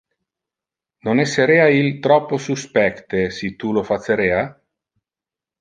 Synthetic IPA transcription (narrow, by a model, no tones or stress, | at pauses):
nonɛsːeɾeːailt̪ɾɔpːosuspɛkt̪esit̪ulofatsːeɾeːa